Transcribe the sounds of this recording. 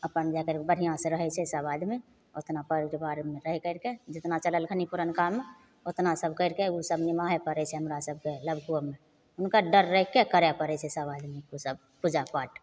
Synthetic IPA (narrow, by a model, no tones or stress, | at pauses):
əpənd͡ʒakəɾbəɽ̤ʱijãsẽɾəɦɛt͡ʃʰɛɪsabaːd̪mẽ | ot̪napəɾbaːɾmeɾəɦɛkəɪɾked͡ʒɪt̪nat͡ʃələlkʰənipʊɾənkamːe | ot̪nasəbʱkəɪɾkeosəbnɪmaɦɛpəɾɛt͡ʃʰɛɦəmɾasəb̚keləbʱkuəmẽ | ʊnkaɖəɾːəɦɛkekəɾɛpəɾɛt͡ʃʰɛɪsabaːd̪mẽusəb̚ | pud͡ʒapaːʈ